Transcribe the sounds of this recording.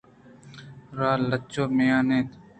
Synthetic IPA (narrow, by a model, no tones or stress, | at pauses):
ɾaːlət͡ʃoːmeːãːnẽːt̪